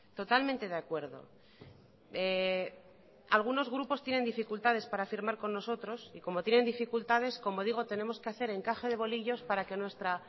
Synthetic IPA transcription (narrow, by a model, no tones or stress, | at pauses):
t̪o̞t̪almẽnt̪e̞ð̞eakwe̞ɾðo̞̰ | e | alɣ̞uno̞zɣ̞ɾupo̞st̪je̞ne̞nd̪ifikult̪að̞e̞spaɾafiɾmaɾko̞nːo̞so̞t̪ɾo̞siko̞mo̞t̪je̞ne̞nd̪ifikult̪að̞e̞sko̞mo̞ðiɣ̞o̞t̪e̞ne̞mo̞skeaθe̞ɾe̞ŋkaxe̞ð̞e̞βo̞liʎo̞spaɾake̞nwe̞st̪ɾa